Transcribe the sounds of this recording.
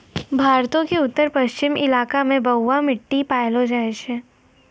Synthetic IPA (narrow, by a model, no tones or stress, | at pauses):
bʱaːɾt̪õkeʊt̪ːəɾpɐʃt͡ʃɪmɪlaːkamẽbɐʊːamɪʈːipaːjlod͡ʒaːeʃɛː